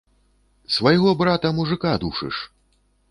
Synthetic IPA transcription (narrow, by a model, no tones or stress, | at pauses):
svɐjɣɔbɾat̪ɐmuʐɨkad̪uʂɨ̰ʂ